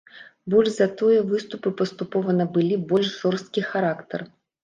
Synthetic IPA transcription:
bɔlʲʐzɐt̪ɔjɐvɨst̪upɨpɐst̪upɔvɐnɐbɨlʲibɔlʲʂʐɔrst̪̚kʲixaɾakt̪ɐ̰r

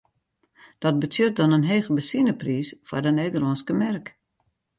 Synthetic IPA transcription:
d̥ɔt̚bətjøt̚dɔnənɦeːɣəbəsinəpriːsfwardəneːdərlɔnskəmɛrk

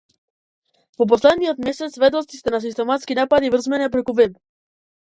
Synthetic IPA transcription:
vɔp̬ɔslɛd̪niɔt̪mɛsɛt̪svɛd̪ɔst̪i̥st̪ɛnas̬ist̪ɛmat̪skinapad̪ivr̩zmɛnɛpɾɛkuvɛb

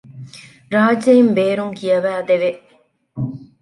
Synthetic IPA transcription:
ɾaːd͡ʒɐimbeːɾuŋkiɐʋæːd̪eʋe

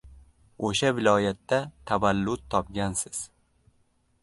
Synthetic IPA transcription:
oʃavɪlɒjat̪ːat̪ʰavalːʊt̪̚ʰːɒpɡʲansɪz̥

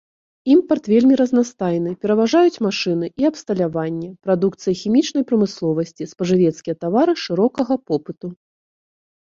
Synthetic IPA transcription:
impɐrt̪vʲelʲmʲiɾɐznast̪ajn̪ɨpʲɛɾɐvaʐajut͡sʲmaʂɨn̪ɨʔiɐpst̪ɐlʲavanʲːɛpɾad̪ukt̪sɨjɐxʲimʲit͡ʂnɐjpɾɐmɨslˠɔvɐsʲt͡sʲispɐʐɨvʲɛt̪skʲijɐt̪avaɾɨʂɨɾɔkɐɣɐpɔpɨt̪u

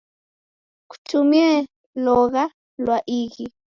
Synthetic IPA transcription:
ku̥tʰumjɛ | lɔɣa | lwaʔiɣi

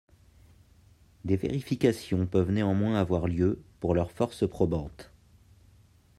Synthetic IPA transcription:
d̪evḛʁifikʲasjɔ̃pœvneɑ̃mwɛ̃avwaʁljøpuʁlœʁfɔʁspχɔbɑ̃t̪

